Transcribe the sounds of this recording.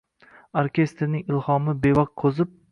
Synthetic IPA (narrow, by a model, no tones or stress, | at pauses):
aɾkʲe̞st̪ɾɪnɪŋɪlˠhɒmɪbevɒq̚kʰɵzɪp̚